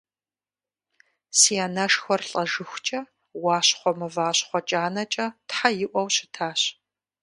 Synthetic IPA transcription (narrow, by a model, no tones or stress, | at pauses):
siaːnɐʂxʷɔrɬʼɐʒɨxʷʊt͡ʃʼɐ | wɑːɕχʷɔmɨvaːɕχʷɔt͡ʃʼaːnɐt͡ʃʼɐtħajɪʔʷɔwɕɪtʰaːɕ